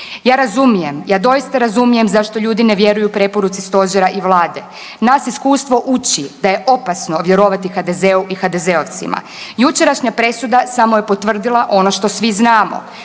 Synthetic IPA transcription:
jaːɾazumije̞mjaːd̪o̞ist̪aɾazumije̞mzaʃt̪o̞ʎuːd̪ineʋjeɾujupɾe̞po̞ɾut̪sist̪o̞ʒeɾaʔiʋlˠaːd̪e̞ | nasiskuːst̪ʋo̞ʔut͡ɕid̪aje̞ʔo̞pasno̞ʋje̞ɾo̞ʋat̪ixad̪e̞zeuʔixad̪e̞zeoʋt̪sḭma̰ | jut͡ʃe̞ɾaʃɲapɾe̞sud̪asamo̞je̞po̞t̪ʋr̩d̪ilˠaʔo̞no̞ʃt̪osʋiznaːmo̰

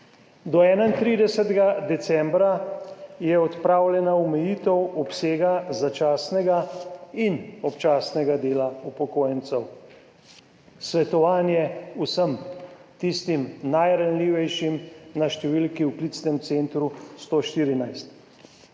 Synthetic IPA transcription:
d̪ɔɛːnaint̪ɾid̪ɛsɛt̪ɡad̪ɛt̪sɛmbɾajɛɔt̪pɾaːwljɛnaɔmɛjit̪ɛwɔpseːɡazat͡ʃaːsnɛɡainɔpt͡ʃaːsnɛɡad̪eːlaupɔkoːjɛnt̪sɛw | sʋɛt̪ɔʋaːnjɛusəmt̪ist̪imnajɾanliːʋɛjʃimnaʃt̪ɛʋilkiwklit̪snɛmt̪sent̪ɾust̪oːʃt̪iːɾinajst̪

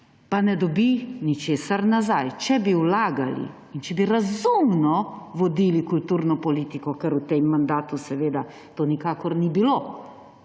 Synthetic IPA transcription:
panɛd̪ɔbinit͡ʃeːsaɾnazajt͡ʃɛbiwlaːɡalḭːnt͡ʃɛbiɾazumnɔʋɔd̪iːlikult̪uːɾnɔpɔliːt̪ikɔkɛɾut̪emːand̪aːt̪usɛʋeːd̪a | t̪oːnikaːkɔɾnibiloː

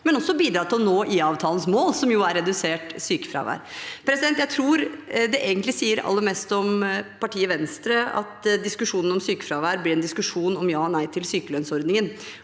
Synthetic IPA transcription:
mɛnɔsːɔbiːd̪ɾɑːt̪ʰɪlɔnoːʔɪɑːʋt̪ʰɑːlnsmoːlsɔmjʊæɾɛd̪ʉseːʈsyːkə̥fɾɑ̰ːʋæ̰ːɾpʰɾɛsɪd̪ɛnt̪jæɪt̪ʰɾuːɾd̪ɛʔeːɡənt̪lɪsiːəɾɑ̰lːəmɛːst̪ɔmpʰɑʈʰiːəʋɛnst̪ɾəɑ̰t̪d̪ɪskʉʂuːnn̩ɔmsyːkəfɾɑːʋæːɾblɪɾɛnd̪ɪskʉʂuːnɔmjɑːnæɪt̪ʰɪlsyːkəlœnsɔɾd̪nɪŋən

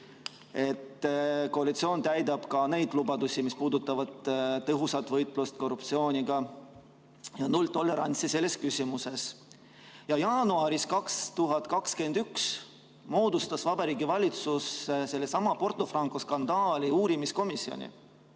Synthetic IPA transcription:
e̞t̪ːko̞ɑlit̪sio̞ːnt̪æjd̪ɑb̥kɑne̞jd̪̥lubɑd̪usimispuːd̪ut̪ːˑɑvɑd̪̥t̪ɤɦusɑt̪ːˑvɤjt̪ˑlust̪̚ko̞rup̚t̪sio̞ːnʲiɡɑ | jɑnult̪o̞lːe̞ɾɑ̰nʲt̪sise̞lːe̞skysʲimuse̞s | jɑjɑːnuɑɾiskɑkst̪uɦɑt̪ˑkɑkskend̪̥yks | mo̞ːd̪ust̪ɑsvɑbɑɾiːɡivɑlʲit̪susse̞lːe̞sɑmɑpo̞rt̪ˑo̞frɑŋkoskɑnd̪̥ɑːlʲiuːɾimisko̞misːio̰nʲḭ

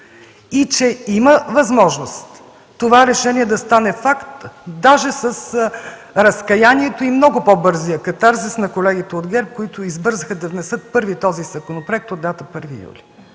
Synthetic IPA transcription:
it͡ʃɛiməvɐzmɔʒnost̪ː | ovaɾɛʃɛniɛd̪ɐst̪anɛfakt̪d̪aʒɛsəs | ɾɐskɐjaniɛt̪oimnɔɡʊpobɤɾzijəkɐt̪aɾzɛsnɐkolɛɡ̟it̪ɛod̪ɡɛɾp̚koit̪ʊizbɤɾzəxəd̪ɐvnɛsɤt̪̚pɤɾvit̪ɔzizɐkonopɾoɛk̚t̪od̪ːat̪əpɤɾvḭjṵlḭ

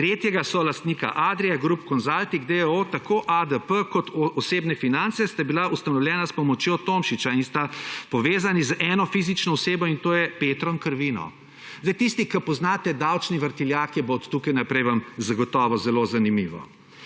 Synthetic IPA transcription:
t̪ɾeːt̪jɛɡasɔlast̪niːka̰ʔad̪ɾɛjɛɡɾupkɔnzalt̪iɡd̪eot̪akʰoːʔad̪əpəkɔt̪ɔseːbnɛfinant̪sɛst̪abilaust̪anɔwljɛnaspɔmɔt͡ʃjot̪omʃit͡ʃainst̪apɔʋeːzanizʔɛnɔfizit͡ʃnɔɔseːbɔint̪oːjɛpeːt̪ɾɔŋkəɾʋinɔ̰ | zd̪ɛjt̪ist̪ikɐpɔznaːt̪ɛd̪awt͡ʃniʋəɾt̪iljakibot̪ːukajnapɾɛjʋamzɐɡɔt̪ɔːʋɔzɛlozanimiːʋɔ̰

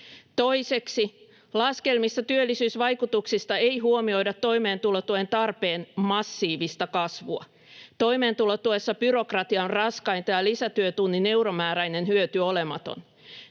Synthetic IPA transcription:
t̪o̞jseksi | lɑske̞lmist̪ɑt̪yølːisyːsʋɑjkut̪uksist̪ɑe̞jɦuomio̞jdɑt̪ːo̞ime̞ːnt̪ulot̪uent̪ɑrpe̞ːnmɑsːiːʋist̪ɑkɑsʋuɑ̰ | t̪o̞imeːnt̪ulot̪uesːɑb̥yɾo̞krɑt̪iɑnrɑskɑijnt̪ɑjɑlisæt̪yøt̪unːine̞wɾomæːɾæjne̞nɦyøt̪yole̞mɑt̪o̰n

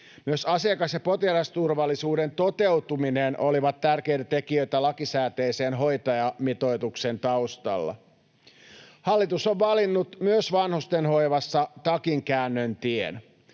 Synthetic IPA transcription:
myøsɑsiɑkɑsjɑpo̞t̪ilɑst̪urʋɑlːisuːdent̪o̞t̪e̞ut̪umineːnʔoliʋɑt̪tærke̞ijt̪æt̪e̞kiø̞jt̪ælɑkisæːt̪e̞ːse̞ːnɦo̞jt̪ɑjɑmit̪o̞jt̪ukse̞nt̪ɑust̪ɑ̰lːɑ̰ | hɑlːit̪usoʋʋɑlinːut̪myøsʋɑnhust̪enho̞jʋɑsːɑt̪ɑkiŋkæːnːønt̪iḛn

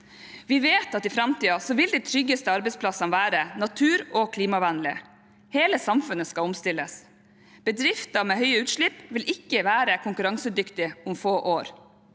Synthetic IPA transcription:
ʋɪʋeːt̪ɑt̪ɪfɾɑmt̪iːɑsɔʋɪld̪ɛt̪ʰɾʏɡːəst̪əɑɾbɛɪspʰlɑsɑnʋæːɾənɑt̪ʰʉːɾɔkʰliːmɑʋænlɪ | heːləsɑmfʉnəskɑʊmst̪ɪlːəs | b̥əd̪ɾɪft̪ɑmeːɦœʏəʉːt̪ʃɭɪpːʋɪlɪkːəʋæːɾəkʰʊŋkʉɾɑŋsəd̪ʏkt̪ɪʊmfoːʔoːɾ

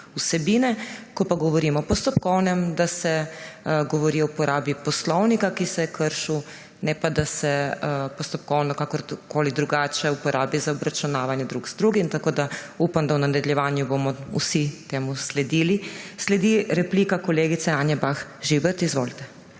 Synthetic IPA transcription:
usɛbiːnɛkɔpaɡɔʋɔɾiːmɔpɔst̪ɔpkɔwnɛmd̪asɛ | ɡɔʋɔɾiɔwpɔɾʔaːbipɔslɔwnikakisɛkʰəɾʃu | nɛpad̪asɛpɔst̪ɔp̚kɔwnɔkakɔɾkoːlid̪ɾuɡaːt͡ʃɛupɔɾʔaːbizaɔbɾat͡ʃunaːʋanjɛd̪ɾuɡz̥d̪ɾuɡimt̪akoːd̪a | upamd̪awnad̪ɛd̪ljɛʋaːnjubomɔṵsit̪eːmuslɛd̪iːlislɛd̪iɾɛpliːkakɔleːɡit̪sɛaːnjɛbaxʒibəɾt̪izʋoːlit̪ɛ̥

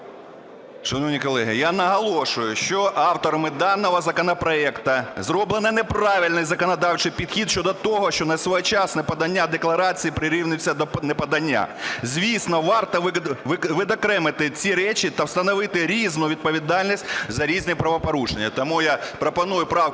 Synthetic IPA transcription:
ʃɐnɔʋnʲikɔlˠɛɦɪjanɐɦɐlˠɔʃʊjʊʃt͡ʃɔʔɑwt̪ɔɾɐmɪd̪ɑnːɔɦɔzɐkɔnɔpɾɔɛkt̪ɐzrɔblˠenɐnepɾɑʋʲilʲnɪjzɐkɔnɐd̪ɑwt͡ʃɪjpʲid̪xʲid̪ʃt͡ʃɔd̪ɔt̪ɔɦɔʃt͡ʃɔnɐsʲʋɔjt͡ʃɑsnɛpɐd̪ɐnʲːad̪eklˠɐɾɑt͡sʲijipɾɪɾɪwnɪt͡sʲːɐd̪ɔnɛpɐd̪ɐnʲːa̰zʲʋʲisnɔʋɑrt̪ɔʋʋʋɪd̪ɔkɾɛmɪt̪ɪt͡sʲiɾɛt͡ʃʲit̪ɐwst̪ɐnɔʋɪt̪ɪɾʲiznʊʋʲid̪̚pɔʋʲid̪ɑlʲnʲisʲtʲzɐɾʲiznɪpɾɐʋɔpɔɾuʃenʲːɐt̪ɔmujapɾɔpɐnujʊpɾɑw

